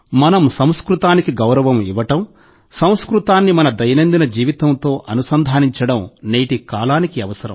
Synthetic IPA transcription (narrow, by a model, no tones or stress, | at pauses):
mɐnɐmsɐmw̃skɾut̪aːnikiɡɐwɾɐʋɐmiʋɐʈɐm | sɐw̃skɾut̪aːnːimɐnɐd̪ɐjɐnɐnd̪inɐd͡ʒiːʋit̪ɐnt̪o̞ːʔɐnusɐnd̪ʱaːniɲt͡ʃɐɽɐmne̞ːʈikaːlaːnikiɐʋɐsɐɾɐ̰m